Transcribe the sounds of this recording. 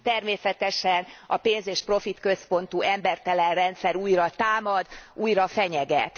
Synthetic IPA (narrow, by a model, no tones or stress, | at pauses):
t̪ɛrmeːsɛt̪ɛʃɛnɒpeːnzeːʃpro̞fit̪kø̞spo̞nt̪uɛmbɛrt̪ɛlɛnrɛnt̪sɛɾuːjrɒt̪aːmɒd̪uːjrɒfɛɲɛɡɛ̰t̪